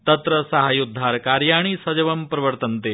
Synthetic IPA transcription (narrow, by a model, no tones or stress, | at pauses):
t̪ɐt̪ɾəsɐɦajud̪ʱːaɾkaɾjaːɽ̃isɐd͡ʒɐʋɐmpɾɐʋəɾt̪ənt̪e